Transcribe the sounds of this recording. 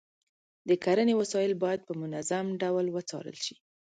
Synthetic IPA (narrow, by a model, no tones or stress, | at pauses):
d̪əkaɾənewasɑjɪlbɑjad̪̚pəmʊnazamɖawlwət͡sɑ̰ɾə̰lʃi̥